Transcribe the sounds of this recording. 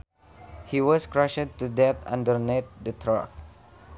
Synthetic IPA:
hiwɔskɹaʃəd̚tudɛt̪ã̰ndəɾnɛt̪̚dət̪ʰɹa̰k̚

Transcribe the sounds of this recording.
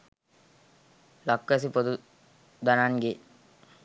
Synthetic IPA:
lakːɐs̬ipod̪u | d̪anaːnɡe

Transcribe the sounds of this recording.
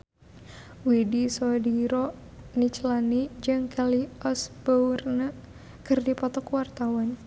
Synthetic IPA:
widisɔdiɾɔ | nit͡ʃlanid͡ʒɨŋkɛliɔsb̥arna | kɨrdipɔt̪ɔkwart̪awan

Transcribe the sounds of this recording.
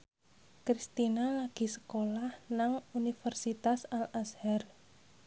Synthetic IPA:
kɾist̪inalaɡ̥i̤sə̥kolahnaŋunifərsit̪asalashɛr

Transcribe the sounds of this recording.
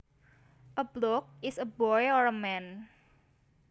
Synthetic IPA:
ʔəblɔk̚ɪsəbɔjɔɹəmɛn

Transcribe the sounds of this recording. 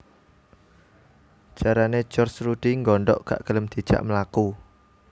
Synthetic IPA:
ʒ̥aɾane̥d͡ʒ̥ɔrt͡ʃɾuɖ̥iŋɡɔɳɖɔ̰ʔka̰ʔɡ̥ələmd̪̥i̤̥ʒ̥a̰ʔməlaku

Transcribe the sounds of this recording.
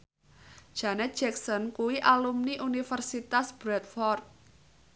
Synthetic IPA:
d̥ʒ̥a̤nɛt̪̚d͡ʒ̥ɛksɔnkuwiʔalumniʔunifərsit̪asb̥ɾɛt̪̚fɔrt̪̚

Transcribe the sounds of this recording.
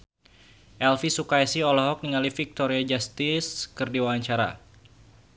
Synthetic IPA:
ʔɛlfisukajsiɔlɔɦɔk̚niŋalifik̚t̪ɔɾiad͡ʒast̪ɪskɨrdiwawaɲt͡ʃaɾa̰

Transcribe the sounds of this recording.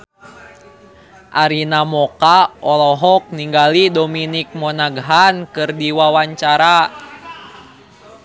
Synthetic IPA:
ʔaɾinamɔkaɔlɔɦɔk̚niŋɡalidɔminik̚mɔnaɡɦankɨrdiwawaɲt͡ʃaɾa

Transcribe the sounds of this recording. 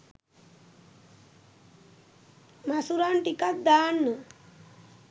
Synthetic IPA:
masuɾanʈikat̪̚d̪aːnːə

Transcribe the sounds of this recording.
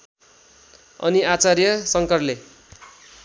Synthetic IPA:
ʌ̰niat͡sarjʌsʌŋkʌrle

